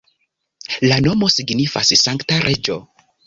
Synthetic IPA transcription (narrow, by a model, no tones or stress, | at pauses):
lano̞mo̞siɡnifa̰ssaŋktaɾʔe̞d͡ʒo̞